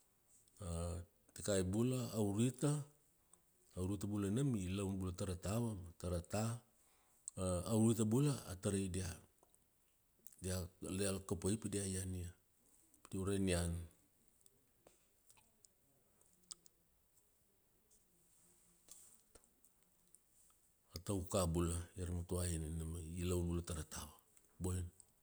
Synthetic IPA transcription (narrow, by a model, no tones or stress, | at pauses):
a | tekajbulaːwɾita | wɾitabulanamilawnbulataɾatawamataɾata | awɾitabulaːtaɾedia | dialealkapoipadiajania | pdiauɾanian | atawkabulajaɾamatuainanamailawnbulataɾatawa | boen